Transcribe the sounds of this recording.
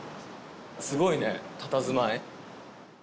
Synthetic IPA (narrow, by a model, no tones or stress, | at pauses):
sɨɡo̞ine̞t̪at̪azɨmae